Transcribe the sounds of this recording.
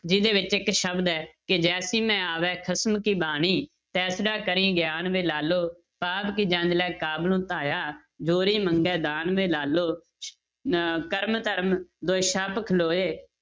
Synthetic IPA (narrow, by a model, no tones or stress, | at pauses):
d͡ʒɪd̪eːʋɪt͡ʃɪkʃəbd̪ɛːkɪd͡ʒɛːsiːmɛ̃ːaːʋɛːkʰəsmkiːbaːniː | t̪ɛːsɖaːkəɾĩːɡjaːnʋeːlaːloː | paːpkiːd͡ʒãːnd͡ʒlɛːkaːblũːt̪aːjaː | d͡ʒoːɾiːməŋɡɛːd̪aːnʋeːlaːloː | kəɾmt̪əɾmd̪oːʃəpkʰloːeː